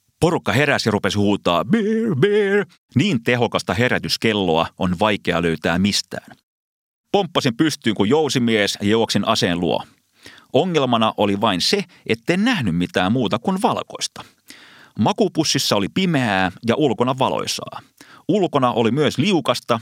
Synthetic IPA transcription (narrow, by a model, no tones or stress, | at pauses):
po̞rukːɑɦe̞ɾæsirupe̞shuːt̪ɑ̰ːberber | niːnt̪e̞ɦo̞kɑst̪ɑɦe̞ɾæt̪yskelːoɑonʋɑjkeɑløyt̪æːmmist̪æ̰ːn | pompːɑsimpyst̪yːŋkujjowsimiesjɑjooksinʔɑseːlṵo̰ | ʔoŋːelmɑnɑʔo̞liʋɑinse | et̪ːejnnæhnymmit̪æːmmuːt̪ɑkunʋɑlko̞̰ist̪ɑ̥ | mɑkupusːisːɑolipimeæːjɑʔulkonɑʋɑlo̰jsɑ̰ːulkonɑʔolimyøsliukɑst̪ɑ